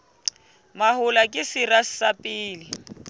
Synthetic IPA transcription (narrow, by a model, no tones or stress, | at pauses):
mahʊlakʼɪsɪrassapʼɪːlɪ